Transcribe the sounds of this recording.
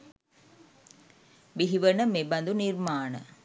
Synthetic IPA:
biɦiʋɐnɐmebɐnd̪uniɾmaːnɐ̰

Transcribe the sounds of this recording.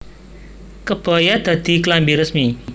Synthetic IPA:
kəb̥a̤jad̪̥a̤d̪̥i̤klambiɾəsmi

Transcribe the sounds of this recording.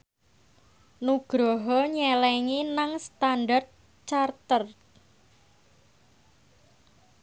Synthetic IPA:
nuɡ̥ɾɔɦɔɲɛlɛŋinaŋst̪anɖart̪̚ | t͡ʃart̪ər

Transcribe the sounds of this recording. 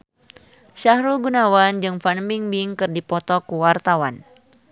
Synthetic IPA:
ʃahɾulɡunawand͡ʒɨŋfanmbiŋbiŋkɨrdipɔt̪ɔkuwart̪awan

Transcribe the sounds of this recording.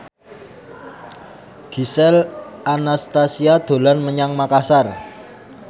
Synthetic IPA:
ɡ̥isɛlʔanast̪asiad̪̥o̤lanməɲaŋmakasar

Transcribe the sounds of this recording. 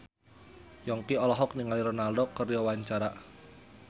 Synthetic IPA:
jɔŋkiɔlɔɦɔk̚niŋaliɾɔnalɖɔkərjɔawaɲt͡ʃaɾa

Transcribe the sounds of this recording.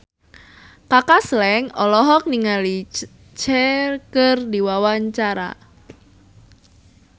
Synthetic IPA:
kakaslɛŋɔlɔɦɔk̚niŋali | t͡ʃɛkərdiwawaɲt͡ʃaɾa̰

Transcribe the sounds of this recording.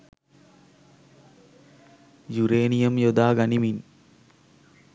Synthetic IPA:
juɾeːnijɐmjɔd̪aːɡɐnimin

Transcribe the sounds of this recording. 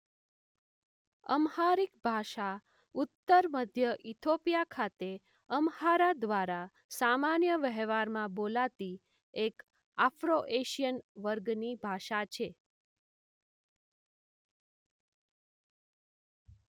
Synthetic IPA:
ə̰mhaɾikbʱaʃa | ut̪ːəɾməd̪ʱjəʔit̪ʰopijakʰat̪e | əmhaɾad̪ʋaɾa | samanjəʋɛɦʋaɾmãbolat̪i | ek | afɾoʔeʃijənʋəɾɡnibʱaʃat͡ʃʰe

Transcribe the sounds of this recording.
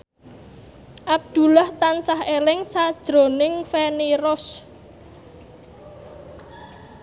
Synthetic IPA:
ʔab̚d̪̥ṳlaht̪ansahelɪŋsad̥ʒ̥ɾo̤nɪŋfeneɾɔs

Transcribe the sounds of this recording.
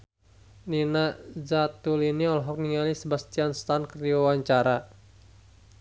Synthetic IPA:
ninazat̪uliniɔlɦɔk̚niŋalisəbast̪ianst̪ankərdiwawaɲt͡ʃaɾa

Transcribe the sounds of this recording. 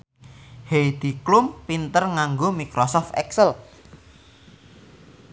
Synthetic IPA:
hejd̪̥i̤klʊmpint̪ərŋaŋɡomikɾɔsɔft̪ɛ̰ksəl

